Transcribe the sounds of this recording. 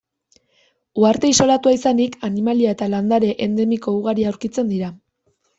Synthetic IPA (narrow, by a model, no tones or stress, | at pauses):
uaɾt̪e̞iso̞lat̪uaisanikanimaliaet̪aland̪aɾe̞ʔend̪e̞miko̞uɣaɾiauwɾkit͡send̪iɾa